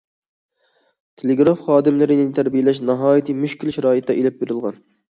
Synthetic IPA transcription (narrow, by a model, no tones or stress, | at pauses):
t̪ʰeleɡɾɑfχɑːd̪ɨmlˠɨɾɪnɪt̪ʰæɾbijelɛʃnɑɦɑːjit̪ʰɨmyʃkʲilʃæɾɑːjit̪̚d̪ɛʔelɛp̚beɾɪlˠʁɑ̰n